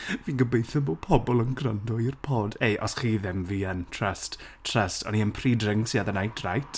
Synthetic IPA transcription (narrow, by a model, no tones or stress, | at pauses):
viːnɡəbejθɔboːpʰɔbɔlˠənɡrandɔirpʰoːdejʔɔ̰sχiːðɪmviːəntʰrəst | tʰr̥əstʰɔ̰niənpʰridrɪŋsiaðənajtʰrajtʰ